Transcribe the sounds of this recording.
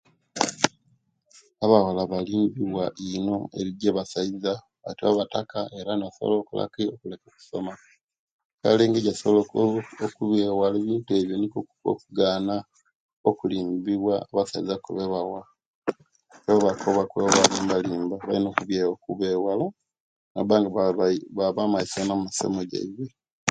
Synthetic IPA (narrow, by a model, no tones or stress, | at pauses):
aβawalaβaliːmbiβwaʔino̞ḛβiɟeβasaiza | βatiaβatakae̞ɾanaso̰loːkula̰kiokule̞kaku̥so̞ma | ka̰leːŋɡeɟasoβlokokuβeːwaleːβiːntue̞βjonikuo̰kuɡaːna | okuliːmbiβwaaβasa̰ḭzakṵβeβawa | eoβakʰoβakweβoβaliːmbaliːmbaβa̰inoːkuβjeokuβeːwala | nabaːŋɡaβaβamaisanamusḛmoɟḛiβe